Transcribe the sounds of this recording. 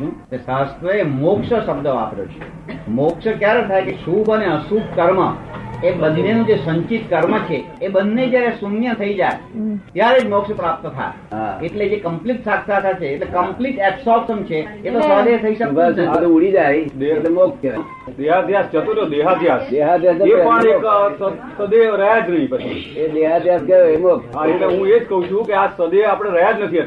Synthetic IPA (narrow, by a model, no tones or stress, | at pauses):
ũnesast̪ʰɾəemokʃəʃəbd̪əa̰pɾjo̰t͡ʃʰe | mokʃəkjaɾet̪ʰaekeʃubʱəneəsubkəɾmə̰ebənːenũd͡ʒesəɲt͡ʃit̪kəɾmət͡ʃʰeːbənːed͡ʒjaɾesunjət̪ʰəid͡ʒaet̪jaɾed͡ʒmokʃəpɾap̚t̪ət̪ʰa̰e | eʈled͡ʒekəmpliʈsakʰsat̪ʰat͡ʃʰeːʈlekəmpliʈɛpsɔsəmt͡ʃʰeːt̪osəd̪et̪ʰəiʃəbʱasd̪uuɽid͡ʒajd̪et̪emokk | d̪eɦad̪ʱjast͡ʃət̪ot̪od̪eɦad̪ʱjasd̪eɦad̪ʱjasəepəɳeksəsəd̪eɾəɦad͡ʒnəɦĩpət͡ʃʰḭed̪eɦad̪ʱjaskəoemokɦaeʈleɦũed͡ʒkəɦũt͡ʃʰũkeasəd̪eapɽ̃eɾəɦad͡ʒnət̪ʰiə